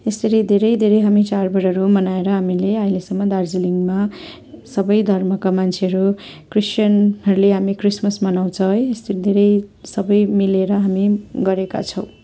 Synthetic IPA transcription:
esʌɾid̪ʱeɾʌjd̪ʱeɾʌjɦamit͡sarbʌɾʌɾumʌnaeɾʌɦamileʌilesʌmːʌd̪ard͡ziliŋɡma | sʌbʌjd̪ʱʌrmʌkamant͡sʰeɦʌɾu | krist͡ʃʌnɦʌɾuleɦamikrismʌsmʌnaw̃t͡sʰʌest̪ʌɾid̪ʱeɾʌjsʌbʌjmileɾʌɦamiɡʌɾeka̰t͡sʰʌw̃

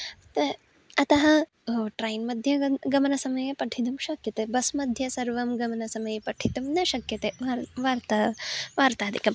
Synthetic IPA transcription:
t̪ | ɐt̪ɐɦɐ̆ | ʈɾɐːjnmɐd̪ʱjɐɡɐmɐnɐsɐmɐjepɐʈʰit̪ɐmʃɐkjɐt̪ebɐsmɐd̪ʱjɐsɐɾʋɐmɡɐmɐnɐsɐmɐjepɐʈʰit̪umnɐʃɐkjɐt̪eaɾʋaːɾt̪aʋaːɾt̪aːd̪ʱikɐm

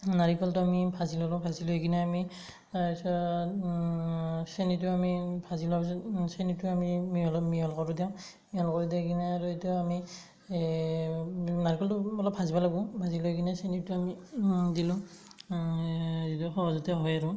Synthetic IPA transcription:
naɹikɔltʊamibʰʱazilɔlɔ̃bʱazilokinɛami | asɔ | senituamibʰʱazilɔabs̬ɔsenituamimiɔlɔmiɔlkɔɹudjɛʊ̃ | miɔlkɔɹudɛkinɛaɹuetuami | naɹikɔltuɔlɔpʰazibalaɡʊ̃bʱazilokinɛsenituamidilʊ̃ | zituxɔɦɔzɔtɛɦɔjaɹu

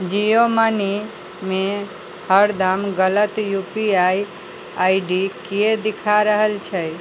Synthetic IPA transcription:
d͡ʒijomani | mẽ | həɾd̪amɡələt̪jupiaj | aiɖikied̪ikʰaɾəɦəlt͡ʃʰɛ

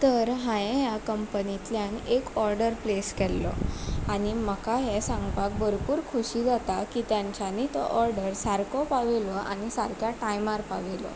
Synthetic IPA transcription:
t̪əɾɦãjẽjakəmpənit̪ljanekɔɾɖəɾpleskɛlːɔ̰añiməkaɦesãŋɡpak̚bəɾpuːɾkʰuɕiːd͡zat̪akit̪jãɲt͡ɕanit̪ɔ̰ʔɔɾɖəɾsaɾkɔpaʋelɔa̰ñisaɾkjaʈajmaɾpaʋelɔ̰

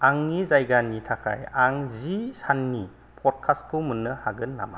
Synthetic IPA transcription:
aŋnizajɡanːitʰakʰa̰jaŋzisanːi | pʰɔt̚kʰaskʰumunːɯhaɡɯnːa̰ma

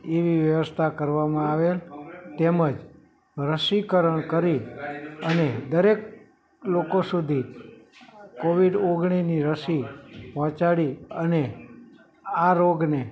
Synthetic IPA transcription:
eʋiʋjəʋəst̪ʰakəɾʋamãaʋelt̪eməd͡ʒ | ɾəʃikəɾəɳkəɾiəned̪əɾek | lokosud̪ʱi | koʋiɖoɡɳ̃iniɾəsipɔ̃t͡ʃaɽiəne | aɾoɡne

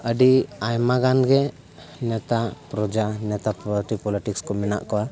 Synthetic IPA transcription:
əɖiajmaɡanɡɛ | nɛt̪apɾɔd͡ʒanɛt̪apɔʈipɔliʈikskɔmɛna̰ʔkɔwa

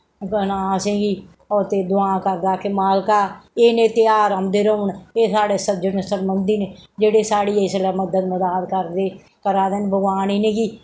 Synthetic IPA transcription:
kənaːsẽːɡiː | ɔːɾt̪eːd̪ʊaːkəɾd̪aːkemaːlkaːeːnẽːt̪ɪaːɾəmd̪eːɾəʊɳeːsaːɽeːsəbd͡ʒənsəbmənd̪iːneːd͡ʒeːɽeːsaːɽiːeːslɛːməd̪əd̪məd̪aːd̪kəɾd̪eː | kəɾaːd̪enbəɡaːniːneːɡiː

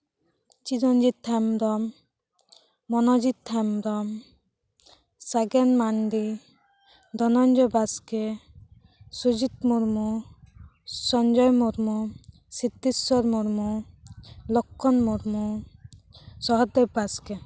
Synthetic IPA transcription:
t͡ʃid̪ɔɲd͡ʒit̪ʰːɛmd̪ɔm | ɔnɔd͡ʒit̪ʰːɛmd̪ɔm | saɡɛnmand̪i | d̪ɔnɔnd͡ʒɔbaske | sud͡ʒit̪muɾmu | sɔɲd͡ʒɔjmuɾmu | sit̪ːisɔɾmuɾmu | lɔkʰːɔnmuɾmu | sɔɦɔd̪eb̚baskɛ

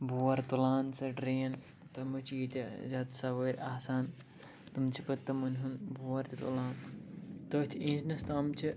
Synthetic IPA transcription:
buːɐɾt̪ulaːnsɐɖɾeːɐn | t̪ɐmɨt͡ʃʰjit̪ʲɐzɐt̪sɐʋəːɾʲaːsaːn | t̪ɨmt͡ʃʰipɐt̪ːɐmɐnʲɦunbuːɐɾt̪ʲit̪ṵlaːnt̪ɐt̪ʰiĩːd͡ʒnɐst̪aːmt͡ʃʰi

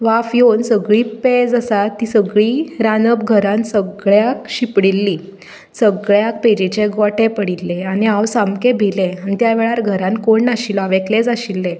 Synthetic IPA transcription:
ʋafjonsəɡɭiːped͡zasat̪ːiːsəɡɭiːɾanəp̚ɡʱəɾãnsəɡɭjakɕipɽilːi | səɡɭjak̚ped͡ʑit͡ɕeɡɔʈʰepəɽilːeaniawsamkebʱeleanit̪jaʋeɭaɾɡʱəɾãnkoɳːaɕilaʋekled͡zaɕilːe

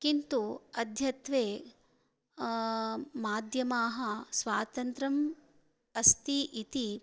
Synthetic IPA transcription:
kint̪uɐd̪ʱjɐt̪ʋeː | maːd̪ʱjɐmaːɦɐ̆sʋaːt̪ɐnt̪ɾɐm | ɐst̪iʔit̪i

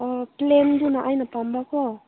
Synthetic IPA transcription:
ɔplend̪unaʔajnapambakɔ

